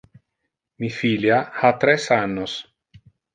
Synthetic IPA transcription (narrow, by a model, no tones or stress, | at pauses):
mifiljahat̪ɾɛsanːos